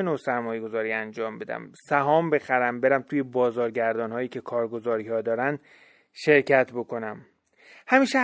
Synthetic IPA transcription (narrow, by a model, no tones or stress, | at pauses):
enoːsæɾmɒːjeɡo̞zɒːɾiːænd͡ʒɒːmbe̞d̪æ̰msæɦɒːmbe̞xæɾæmbe̞ɾæmt̪ʰuːjebɒːzɒːɾɟæɾd̪ɒːnhɒːjiːcʰe̞kʰɒːɾɡo̞zɒːɾiːhɒːd̪ɒːɾænd̪ | ʃe̞ɾcʰæt̪ʰbo̞kʰo̞næm | hæmiːʃe